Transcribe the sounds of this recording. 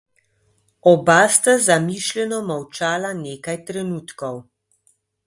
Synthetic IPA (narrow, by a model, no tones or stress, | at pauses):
ɔbaːst̪azamiʃlʲɛnɔmawt͡ʃaːlaneːkajt̪ɾɛnuːt̪kɔw